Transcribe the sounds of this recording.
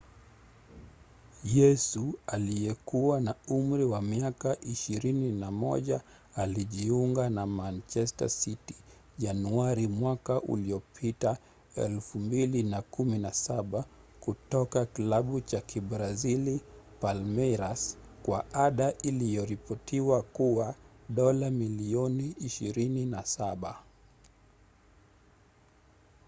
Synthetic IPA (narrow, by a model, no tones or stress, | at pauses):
jɛsualijɛkuwanaum̩ɾiwamiakaʔiʃiɾininamɔ̰ʄa | aliʄiuŋɡanamant͡ʃɛsta̰siti̥ | ʄanuaɾimwakaʔṵliɔpʰita | ɛ̰lfumbilinakuminasaɓa | kutɔkakilaɓut͡ʃakiɓɾazilipalmɛɾaskwaaɗaʔilijɔɾipɔtʰiwakuwaɗɔlamiliɔniːʃiɾininasaɓa